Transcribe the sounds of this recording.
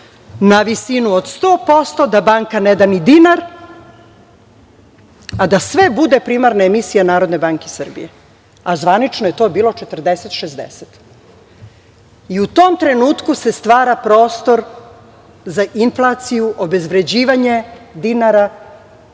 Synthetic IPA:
naʋisinuod̪st̪o̞ːpo̞st̪o̞d̪abaŋkaned̪anid̪inaɾ | ad̪asʋe̞bud̪e̞pɾiːmaɾnaemisijanaːɾo̞d̪nebaːŋkesər̩bḭje | azʋanit͡ʃnoje̞t̪o̞ːbiːlo̞t͡ʃet̪rd̪eset̪ʃezd̪ḛset̪ | iut̪o̞ːmt̪ɾe̞nuːt̪kuse̞st̪ʋaːɾapɾo̞ːst̪o̞ɾ | zaʔinflˠat̪sijuʔobe̞zʋɾe̞d͡ʑiːʋaɲe̞d̪inaɾa

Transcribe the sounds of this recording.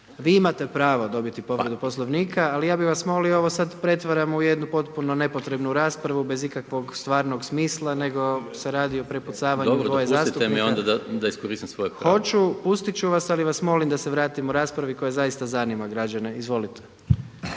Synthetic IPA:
ʋiimat̪e̞pɾaːʋod̪o̞bit̪ipo̞ʋɾe̞d̪upo̞slˠoʋniːkʰaːlijaːbiʋasmo̞liooʋosad̪pɾe̞t̪ʋaɾamuje̞d̪nupo̞t̪puno̞ne̞po̞t̪ɾe̞bnuɾaːspɾaʋube̞zikakʋo̞ɡst̪ʋaːɾno̞ɡsmiːslˠane̞ɡo̞seɾaːd̪io̞pɾeput̪saːʋaɲuojezaːst̪uemiond̪ad̪ad̪aiskoɾist̪imsʋojepxo̞t͡ʃupust̪it͡ʃuʋasaliʋasmo̞limd̪aseʋɾaːt̪imuɾaːspɾaʋiko̞jezajist̪azanimaɡɾad͡ʑane̞izʋo̞lit̪ʰe̥

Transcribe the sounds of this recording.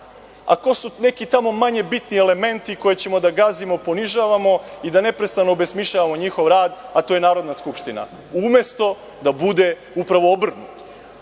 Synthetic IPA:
a̰ko̞sune̞kit̪amo̞maɲe̞bit̪niele̞me̞nt̪iko̞je̞t͡ɕemo̞d̪aɡazimo̞po̞niʒaːʋamo̞id̪ane̞pɾe̞st̪anoːbe̞smiʃʎaʋamo̞ɲixo̞ʋɾaːd̪at̪ojenaːɾo̞d̪naskupʃt̪ina̰ | umje̞st̪o̞ | d̪abud̪e̞ | upɾaʋo̞obr̩nut̪

